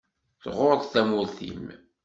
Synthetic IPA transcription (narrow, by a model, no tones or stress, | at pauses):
θʁoɾðˤθæmʊɾθḭm